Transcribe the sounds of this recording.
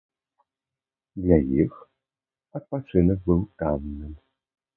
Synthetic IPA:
d̪lʲajix | ɐt̪̚pat͡ʂɨnɛk̚bɨwkamnɨm

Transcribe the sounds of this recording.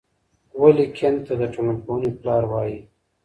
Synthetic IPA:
walikʰent̪ad̪əʈelaponiplɑːɾwɑːji

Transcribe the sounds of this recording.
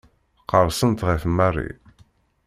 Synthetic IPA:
qːəɾˤsˤənt̪ʁiθmːærˤːḭ

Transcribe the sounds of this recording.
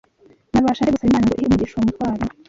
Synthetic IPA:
naβaʃaɾeɡusaβimaːnaŋɡoihiumuɟiʃuwumutwaːɾo

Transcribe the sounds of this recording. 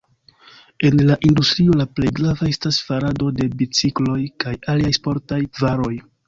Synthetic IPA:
e̞nlaʔindustɾio̞laplejɡɾavae̞stasfaɾado̞de̞bit͡siklo̞jkajaliajspo̞ɾtajvaɾo̞j

